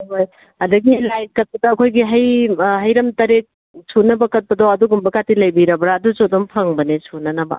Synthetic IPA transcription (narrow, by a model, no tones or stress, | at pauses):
ɦoj | ɐdɐɡilajt̚kɐt̚pɐdɐɐkʰojɡiɦɐjɦɐjɾɐmtɐɾek̚ | sʰunɐbɐkɐt̚pɐdoɐduɡumbɐkatilɐjbiɾɐbɾaːdusodompʰɐŋbɐnesʰunɐnɐbɐ̰